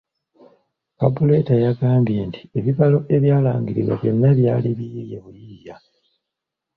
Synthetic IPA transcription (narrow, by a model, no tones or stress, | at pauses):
kabule̞tajaɡaːmbje̞ntʰi̥e̞βiβalo̞ʔe̞βjaːlaːŋɡiɾḭβwa̰βjo̞nːaβjaːliβiijeβujiːja